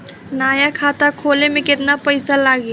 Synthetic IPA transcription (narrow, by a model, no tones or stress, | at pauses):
naːjakʰaːt̪akʰoːlemẽkɪt̪napəɪsalaːɡi